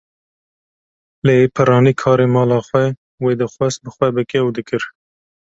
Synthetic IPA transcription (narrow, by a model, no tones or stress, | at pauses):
leːpʰɨɾɑːnikʰɑːɾemɑːlɑːxwɛ | weːd̪ɨxwɛs̚bɨxwɛbɨkɛud̪ɨkɨɾ